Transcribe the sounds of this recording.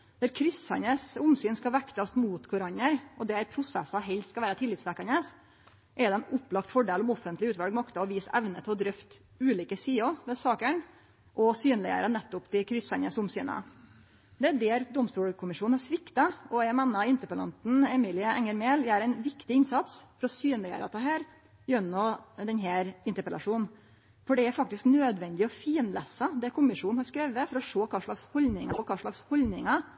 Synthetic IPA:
d̪̥ɛɾkʰɾʏshɑ̰nəsʊmsyːnskɑʋækt̪ɑst̪muːt̪kʰʊɾɑɲəɾʔɔd̪ɛæɾpʰɾʊsɛ̰sɑɦɛlskɑʋæːɾət̪ʰɪlːɪːt̪sʋækɑnəs | ʔɛd̪ɛnʊpːlɑkt̪fɔɖeːlʊmɔfənt̪lɪʉːt̪ʋɑlɡmɑkt̪ɑɔʋiːsæʋnət̪ʰɪlɔd̪ɾœft̪ | ʉːliːkəsiːɔʋɛsɑːkəɳ | ʔɔsyːnlɪə̰ɾənɛt̪ːʊpd̪ɪkʰɾʏsɑnəsʊmsy̰ːnə̰ | d̪ɛæɖɛːɾd̪ʊmst̪uːɽkʰʊmɪʂuːnhɑɾʂʋɪkt̪ɑɔɛmɛnːɑɪnt̪əpəlɑ̰nt̪n̩ɛmiːlɪɑɛŋəɾmeːljæɾæɪnʋɪkt̪ɪɪnsɑt̪sfɔɾɔsyːnlɪæ̰ːɾɑt̪ʰɑːɦæːɾ | bjœnːɔd̪ɛnɦæːɾɪnt̪əpəlʔɑ̰ʂuːn | fɔɖɛæɾfɑk̚t̪ɪsknøːd̪ʋɛnd̪ɪɔfiːnlæsɑd̪ɛkʰʊmɪʂuːnhɑɾskɾeːʋəfɔɾɔʂoːkʰɑːʂɭɑkshɔlnɪŋɑpɔkʰɑːʂɭɑkshɔld̪nɪŋɑ

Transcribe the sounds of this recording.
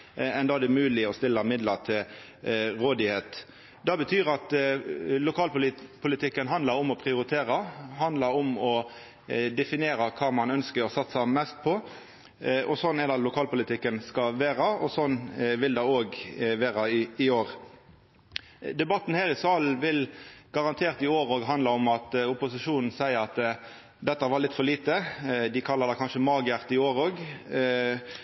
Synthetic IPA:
ɛnd̪ɑːd̪ɛmʉːlɪɔst̪ɪlːəmɪd̪lət̪ʰɪl | ʁoːd̪ɪheːt̪ | d̪ɑbət̪ʰyːɾɑt̪ | lʊkʰɑːlpʊlɪpʰʊlɪt̪ɪkːənɦɑnd̪əɾʊmɔpʰʁɪʊɾɪt̪ʰeːɾɑɦɑnd̪ləɾʊmɔ | d̪ɛfɪnɪeːɾɑkʰɑːmɑnœnskəɾɔsɑt̪ːsɑmɛst̪̚pʰɔ | ʔɔsɔnːɛd̪ɑlʊkʰɑːlpʊlɪt̪ʰɪkːənskɑʋeːɾɑɔsɔnːʋɪld̪ɑoːɡʋeːɾəɪɪoːʁ | d̪ɛbɑt̪ːn̩hæːɾɪsɑːlʋɪlɡ̥ɑʁɑnt̪ʰeːʁt̪ɪoːɾoːɡɦɑnd̪lɑɔmɑt̪ʊpʊsɪʂuːnn̩sæɪəɾɑt̪ | d̪ɛt̪ːɑʋɑlɪt̪ːfɔɾliːt̪əd̪ɪkʰɑlːɑd̪ɑkʰɑnʃəmɑːɡəjæʁt̪ɪoːɾoːɡ

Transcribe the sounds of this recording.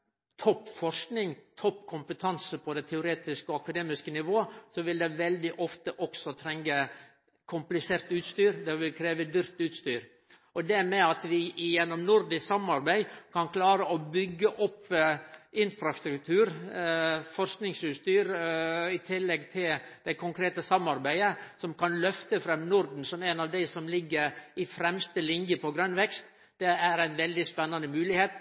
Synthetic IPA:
t̪ʰɔpːfɔɾʂknɪŋt̪ʰɔpːkʰʊmpət̪ʰɑnsəpʰɔd̪ɛt̪ʰɛʊɾeːt̪ɪskɔɑkɑd̪eːmɪskənɪʋoːəsɔʋɪld̪ɛʋɛld̪ɪʔɔft̪əʔɔksɔt̪ʰɾɛŋɡə | kʰʊmplɪseːɾt̪ʉːt̪st̪yːɾd̪ɛʋɪlkʰɾeːʋəd̪ʏɾt̪ʉːt̪st̪yːɾ | ɔd̪ɛmɛɑt̪ʋɪɪjɛnːɔmnʊɾd̪ɪsɑmɑɾbæɪkʰɑnkʰlɑːɾəɔbʏɡːəʔɔpː | ɪnfɾɑst̪ɾʉkt̪ʰʉːɾ | fɔɾsknɪŋsʉːst̪yːɾɪt̪ʰɪlːɛɡ̚t̪ʰɪld̪æɪkʰʊŋkʰɾeːt̪əsɑmːɑɾbæɪəsɔmkɑnlœft̪əfɾɛmnʊɾd̪n̩sɔmænɑʋd̪æɪsɔmlɪɡːəɾɪfɾɛmst̪əlɪŋjəpʰɔɡɾœnʋɛkst̪ | d̪̥ɛæɾæɪnʋɛld̪ɪspɛnːɑnəmʉːlɪheːt̪

